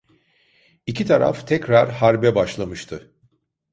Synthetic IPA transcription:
icʰit̪ʰaɾa̰ft̪ʰɛcɾaɾhaɾbɛbaʃlˠamɯʃt̪ʰɯ

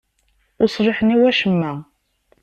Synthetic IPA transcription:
ʊsˤɾɪħəniwæʃəmːæ

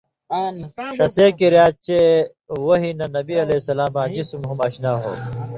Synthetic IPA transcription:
ʂɐseːkeɾjaːt͡ɕe | woɦinɐnɐbiɐleːsɐlaːmãːd͡ʑisumɦumɐɕnaːɦo̰ː

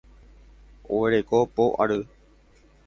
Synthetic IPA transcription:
o̰eɾekopoʔa̰ɾɨ

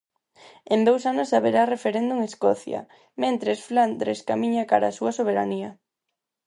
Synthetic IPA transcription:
ẽmbowsanʊsaβeɾarefeɾend̪uŋeskɔθjɐ̰ | mẽnt̪ɾesfland̪ɾeskamiɲakaɾa̰ːsuɐsoβ̞eɾaniɐ

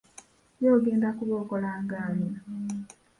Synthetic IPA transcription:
joːɡiːndakuβokolaːŋɡaːnia

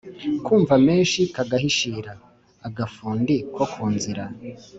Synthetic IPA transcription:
kuːɱvameːnʃikaɡahiʃiːɾaː | ɡafuːndikʰokʰuːnziɾa

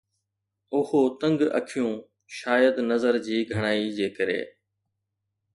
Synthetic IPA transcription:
ʊhoːt̪ə̃ŋɡə̰kʰɪjũː | ʃaːjəd̪nəzəɾd͡ʑiːɡʱəɽ̃aːiːd͡ʑeːkəɾḛː

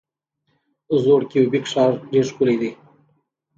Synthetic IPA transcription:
zoɽkiwbikʂɑːɾɖeʂkuled̪i

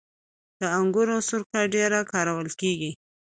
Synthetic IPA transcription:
d̪̥əaŋɡʊɾosʊɾkaɖeɾakɑɾawəlkeɡi

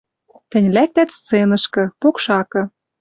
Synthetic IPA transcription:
t̪ɘ̆nʲlæk̚t̪æt̪st̪t͡senɤ̆ʃkɤ̆pokʃɑkɤ̆

